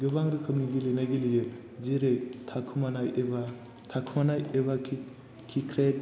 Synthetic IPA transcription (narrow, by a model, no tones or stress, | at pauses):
ɡɯbaŋɾɯkʰɯmniɡilenaɡilijɯd͡ʒeɾektʰakʰɯmanajeba | tʰakʰɯmanajebakʰ | kʰikʰɾet̚